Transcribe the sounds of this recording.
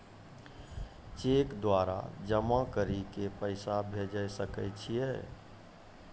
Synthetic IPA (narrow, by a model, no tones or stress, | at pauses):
t͡ʃekd̪waɾa̰d͡ʒəmãkəɾikepəɪsabʱed͡ʒajsəkət͡ʃʰije